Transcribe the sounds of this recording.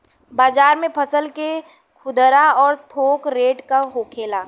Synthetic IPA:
baːd͡ʒaːɾmẽpʰəsəlke | kʰʊd̪ɾaɔːɾt̪ʰoːkɾeːʈkaɦoːkʰeːlaː

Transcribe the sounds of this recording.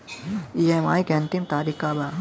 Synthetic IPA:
iema̰ːikɛ̃nt̪imt̪aːɾikaːba

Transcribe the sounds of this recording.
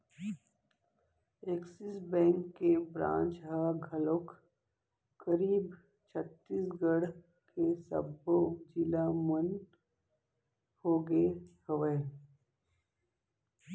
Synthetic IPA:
eksɪsbɛ̃ːŋkːebɾã̰ːnt͡ʃɦaɡʱəlok | kəɾiːb | t͡ʃʰət̪ːiːsɡəɽ | kesə̰bod͡ʒɪlamən | hoːɡehəʋeː

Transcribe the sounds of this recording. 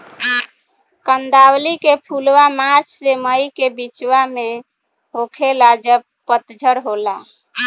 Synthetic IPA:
kənd̪awlikepʰulwamaɾt͡ʃʰseməjkebit͡ʃwame | ɦokʰelad͡ʒəb | pət̪d͡ʒʱəɽɦola̰

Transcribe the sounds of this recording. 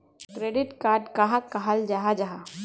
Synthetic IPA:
kɾeːɖɪʈkaːɾɖkaɦakaɦəld͡ʒaɦad͡ʒaɦa

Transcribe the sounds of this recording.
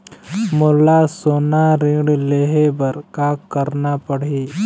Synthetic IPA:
molasonaɾĩɽleɦebəɾkakəɾnapəɽiː

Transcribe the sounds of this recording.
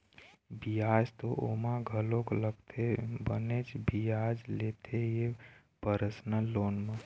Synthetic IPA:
bijad͡ʒt̪oʔomaɡʱəlõkləɡt̪ʰebənet͡ʃbijad͡ʒlet̪ʰeje | pəɾəsnəlonmã

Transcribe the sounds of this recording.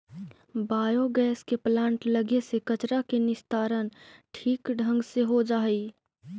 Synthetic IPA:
baːjoɡɛːskeplãːɳʈləɡesekət͡ʃɾakenɪst̪aːɾənʈʰiːkɖʱə̃ŋɡseɦod͡ʒaːi

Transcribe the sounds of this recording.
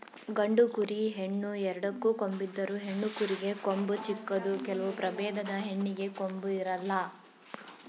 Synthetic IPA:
ɡɐɳɖukuɾiɦeɳːuɛɾɐɽɐkːuko̞mbid̪ːɐɾuɦe̞ɳːukuɾiɡe̞kombut͡ʃikːɐd̪ukɛlɐʋupɾɐbɛːd̪ɐd̪ɐɦeɳːiɡe̞kombuiɾɐlːɐ

